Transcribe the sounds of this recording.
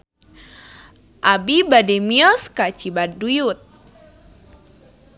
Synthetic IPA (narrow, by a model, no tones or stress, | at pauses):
ʔabibademiɔskat͡ʃibadujut̪̚